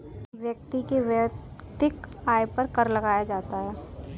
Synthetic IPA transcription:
ʋjək̚t̪ikeʋt̪ɪkaːjpɐɾkɐɾlɐɡaːjad͡ʒaːt̪aɦɛː

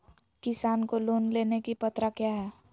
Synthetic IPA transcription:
kɪsaːnkoloːnlenekipət̪ɾakjaɦɛ

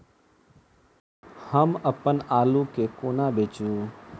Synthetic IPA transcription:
həməpənaːlũkeːkoːnaːbeːt͡ʃũː

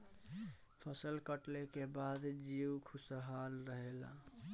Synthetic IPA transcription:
pʰəsəlkəʈlekebaːd̪d͡ʒiːwkʰʊsɦaːlɾəɦela̰

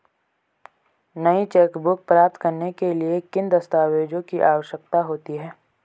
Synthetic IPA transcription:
nɐit͡ʃeːkbʊk̚pɾaːp̚t̪kɐɾnekeliekɪnd̪ɐst̪aːʋeːd͡ʒõkiʔaːʋəʃjək̚t̪aɦoːt̪iɦɛː

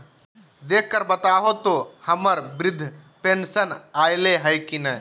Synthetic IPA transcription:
d̪eːk̚ʰkəɾbət̪aːɦot̪ohɐməɾbɾɪd̪ʱː | peːnsənaːjleɦəjkinɐɦ

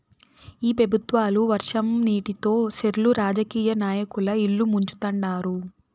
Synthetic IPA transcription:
iːpɾɐbʱut̪ʋaːluʋɐɾʂɐmniːʈit̪o̞ːʃeɾuluɾaːd͡ʒɐkiːjɐnaːjɐkulɐiɭːumuɲt͡ʃu̥t̪ɐɳɖaːɾu

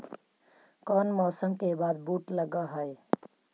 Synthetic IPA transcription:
kɔːnmɔːsə̃ŋɡkebaːd̪̚buːʈləɡaɦəe

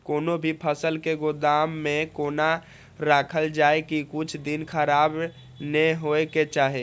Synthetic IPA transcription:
konobʱipʰəsəlkeɡod̪amːekona | ɾakʰəld͡ʒaekikut͡ʃʰd̪inkʰəɾab | neɦoeket͡ʃaɦi

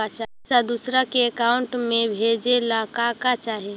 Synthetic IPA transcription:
at͡ʃa | sad̪usɾakeɛkaːʊɳʈmẽbʱed͡ʒelakakat͡ʃaːɦe

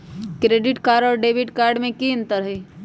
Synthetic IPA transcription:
kɾeːɖɪʈkaːɾɖɔːɾɖeːbɪʈkaːɾɖmẽkiə̃nt̪əɾɦi

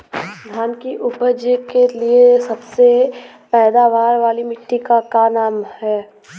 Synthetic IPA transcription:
ɡ̪ʱaːnkiʔʊpəd͡ʒəkeliesɐbse | pɛːd̪aʋaːɾʋaːlimɪʈːikakanaːmhɛː

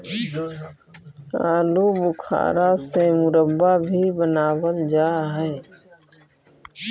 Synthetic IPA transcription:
a̰ːluːbʊkʰa̰ːɾasemʊɾəbːaːbʱiːbənaːwəld͡ʒaːɦɛː

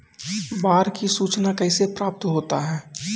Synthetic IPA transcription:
baːɾkisuːt͡ʃnakɛːsepɾaːp̚t̪ɦoːt̪a̰ɦɛː

